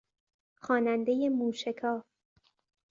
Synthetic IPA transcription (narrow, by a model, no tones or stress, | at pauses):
xɒːnænd̪eje̞muːʃekʰɒː